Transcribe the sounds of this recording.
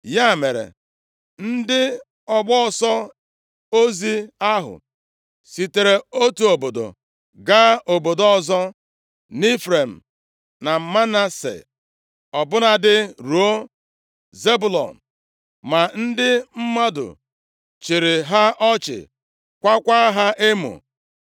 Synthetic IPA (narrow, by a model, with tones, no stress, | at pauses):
ja˦˨me˨ɾḛ˨ | n̩˦dɪ˦ | ɔ˨ɡ͡bɔ˦˨sɔ˦ | o˦zi˦a˦ɦʊ̰˨ | si˨te˨ɾe˨o˦tu˨o˨bo˨do̰˨ | ɡa˦ʔo˨bo˨do˨˦ɔ˦zɔ˦ | ni˦fɾe˨m̩˨ | na˨m̩˨ma˦na˦sḛ˨ | ɔ˨bʊ˦na˨dɪ˦ɾu˨o˦ | ze˦bu˨lɔ̰˨n̩˨ | ma˨n̩˦dɪ˦m̩˦ma˦dʊ̰˨ | t͡ʃi˨ɾɪ˨ɦa˦ʔɔ˦t͡ʃɪ̰˨ | kʷa˦kʷa˦ɦa˦ʔe˦mṵ˨